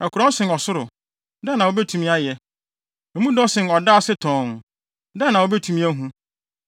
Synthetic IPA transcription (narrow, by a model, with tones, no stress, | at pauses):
ɛ˨kʰʊ˨ɾɔ̃˦n˦sɪ̃˨nɔ˨sʊ˦ɾʊ˨ | dɛ˦nã˨wo˦bɛ˦tʰũ˨mĩ˦a˦jɛ˨ | mũ˦dɔ˦sɪ̃˨nɔ˨daː˦sɪ˦tʰɔ̃˨n | da˦˨nã˨wo˦bɛ˦tʰũ˦mĩ˦æ˦ɦũ˦